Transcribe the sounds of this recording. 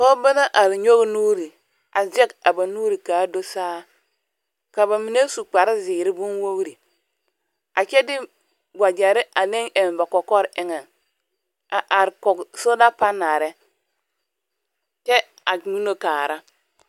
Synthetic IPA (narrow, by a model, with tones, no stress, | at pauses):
kɔ˦ba˦na˦ʔa˨ɾi˨ɲo˦ɡnuː˦ɾi˨ | a˨zɛ˦ka˨ba˨nuː˦ɾi˨kaː˨˦do˦saː˦ | ka˨ba˨mi˨ne˦su˨k͡pa˨ɾi˦ziː˨ɾi˦bu˦nwo˦wɾi˨ | a˨t͡ʃɛ˦dɪ˦ | ɡʷa˨d͡ʒa˨ɾi˦ʔa˨ne˦ŋʔe˨nba˨kɔ˨kɔ˦ɾɪ˦ŋɛ˨n | a˨ʔa˨ɾkɔ˨kso˦da˦pa˦nːa˨ɾɛ˦ | t͡ʃɛ˦ | a˨ɲu˦no˦kaː˨ɾa˦